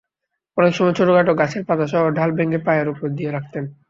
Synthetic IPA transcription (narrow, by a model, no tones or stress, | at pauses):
ɔnekʃɔmɔet͡ɕʰoʈoɡaʈoɡat͡ɕʰeɾpat̪aʃɔɦoɖʱalbeŋɡepajaɾupoɾd̪ijeɾak̚ʰt̪en